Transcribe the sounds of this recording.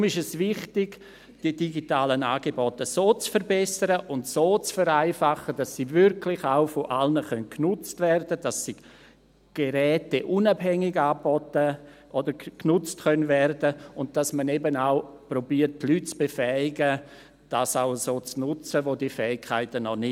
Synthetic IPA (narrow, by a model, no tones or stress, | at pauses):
ʊmɪʃɛsvɪχtɪɡ̥ | d̥idiɡitaːlənaːɡebɔtəsoːt͡sfəɾbɛsəɾəʔʊntsoːt͡sfəɾaɪfaχəd̥asːivʏɾkʰlɪχaʊfoʔalnəχœnknʊt͡stvɛrdəd̥asːi | ɡ̥eɾɛːteʔunabɦɛŋɪɡaːbɔtə | ʔodəɾknʊt͡stkœnvɛrdəʊnt̚d̥asmənɛbənaʊprobiəɾttlytt͡sb̥efɛɪɡə | d̥asaʊəsoːt͡snʊt͡səʋodiːfɛːɪkʰːaɪtənɔnɪ